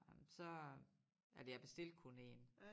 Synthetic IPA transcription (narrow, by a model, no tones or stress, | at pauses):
sɒ̽ | æɐd̥ejab̥e̝sd̥e̝l̰d̥̚kʰone̝̰ːn